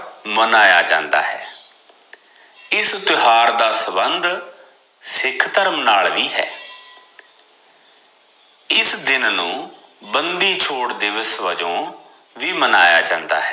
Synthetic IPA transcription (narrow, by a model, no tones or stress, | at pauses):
mənaːjaːd͡ʒã̰ːnd̪a̰ːɦɛ̰ː | ɪst̪ɪɦaːɾd̪aːsəbənd̪ | sɪkʰːt̪əɾmnaːlʋiːɦɛ̰ː | ɪsd̪ɪnnũː | bənd̪iːt͡ʃʰoːʈd̪ɪʋəsʋəd͡ʒõː | ʋiːmənaːja̰ːd͡ʒã̰ːnd̪a̰ːɦɛː